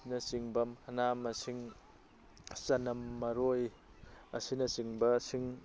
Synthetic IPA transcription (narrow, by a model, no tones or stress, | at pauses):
nɐsiŋbɐmhɐnamɐsiŋ | sɐnɐmːɐɾoj | ɐsinɐsiŋbɐsiŋ